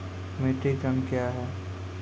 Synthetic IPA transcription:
meːʈikənkjaɦɛː

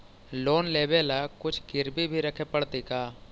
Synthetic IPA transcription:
loːnleːbelakʊt͡ʃʰɡɪɾbibʱiɾəkʰepəɽt̪ikaː

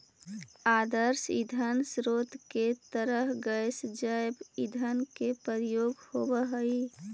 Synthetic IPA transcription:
ad̪əɾsḭd̪ʱənsɾot̪ket̪əɾəɦɡəjsd͡ʒajbid̪ʱənkepəɾjoɡhobəɦəi

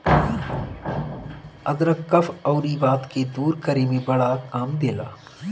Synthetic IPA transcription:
ɐd̪ɾɐkɐfʰɔːɾibaːt̪ked̪uːɾkəɾemẽbɐɽakaːmd̪eːlaː

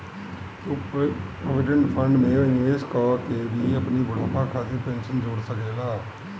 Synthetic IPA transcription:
t̪oːpɾoːʋɪɖəɳʈpʰəɳɖmẽːɪeːskɔːkeʋiːəpniːbʊɽaːpaːkʰaːt̪eːpɛ̃ːnsənd͡ʒoːɽsəkeːlaː

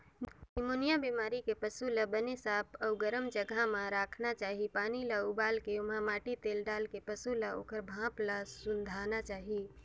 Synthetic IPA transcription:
ɪmoːnijabimaːɾikepəsuləbənesaːpʰɔːɡəɾəmd͡ʒəɡʱamãɾaːkʰnat͡ʃaːɦipaːnilaubaːlkeʊmãmaːʈit̪eːlɖaːlkepəsulao̰ːkəɾbʱãːplasʊnd̪ʱaːnat͡ʃaːɦi

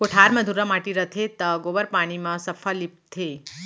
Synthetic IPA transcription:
koʈʰaːɾmɐd̪ʱuɾəmaːʈiɾət̪ʰet̪ɐɡoːbəɾpaːɽ̃imãsɐfʰəlip̚t̪ʰeː

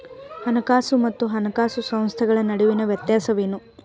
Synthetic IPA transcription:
hɐnɐkaːsumɐt̪ːuɦɐnɐkaːsusɐ̃m̃st̪ʰɐɡɐɭɐnɐɽiʋinɐʋjɐt̪jaːsɐʋeːnu

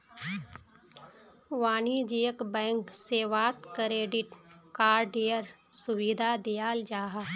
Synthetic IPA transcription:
ʋaːnid͡ʒejəkbɛ̃ːŋkseːʋaːt̪kɾeːɖɪʈkaːɾɖejəɾsʊwid̪ʱad̪ijaːld͡ʒaːɦa

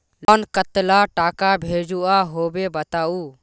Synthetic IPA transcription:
lɔnkət̪laʈaːkabʱed͡ʒuʔaɦobebət̪au

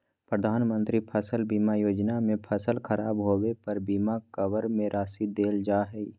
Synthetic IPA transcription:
pɾəd̪ʱaːnmə̃nt̪ɾipʰəsəlbiːmajoːd͡ʒnamẽpʰɐsəlkʰəɾaːbɦoːwepɐɾbiːmakəʋəɾmẽɾʔaːsid̪eːld͡ʒaːɦɛi

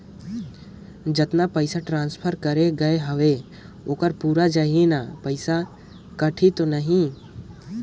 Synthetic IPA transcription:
d͡ʒɐt̪napəɪsaʈɾãːnspʰəɾkɐɾeɡɐeɦəʋe | oːkəɾpuːɾad͡ʒaɦienapəɪsa | kɐʈʰit̪onəɦĩ

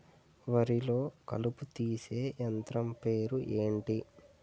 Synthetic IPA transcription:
ʋɐɾilo̞ːkɐ̰luput̪iːse̞ːʔɐnt̪ɾɐmpe̞ːɾuʔe̞ːɳʈi

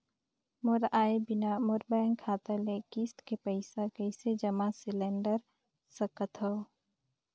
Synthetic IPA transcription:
mʊɾaːebɪnamʊɾbɛːŋkʰaːt̪alekisʈ̪kepəɪsakəɪsed͡ʒəmãsɪleɳɖəɾ | səkət̪ɦə

